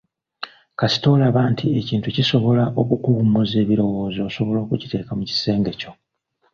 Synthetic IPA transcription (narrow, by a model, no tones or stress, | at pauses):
kasi̥to̞laβaːntʰie̞ciːntuciso̞βo̞laʔo̞kukuumuze̞ːβiɾo̞wo̞ːzosoβo̞lo̞ːkuci̥te̞ːkamuci̥se̞ːŋɡe̞co̞